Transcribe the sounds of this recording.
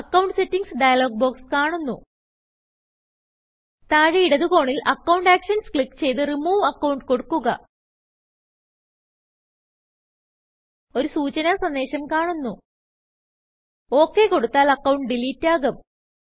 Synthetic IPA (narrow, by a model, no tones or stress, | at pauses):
ɐkːɐwɳɖsetːiŋɡsɖɐjɐlo̞ːɡ̚bo̞ːkskaːɳunːu | t̪aːɻiiɽɐðuko̞ːɳilʔɐkːɐwɳɖaːkʂɐnskɭikːt͡ɕe̞jt̪ɨrimuːɐkːɐwɳɖko̞ɽukːuɣɐ̰ | o̞ɾusuːt͡ɕɐnasɐnd̪e̞ːɕɐmkaːɳunːu | o̞ːkːe̞ko̞ɽut̪ːaːlɐkːɐwɳɖɖiliːtːaːɣɐm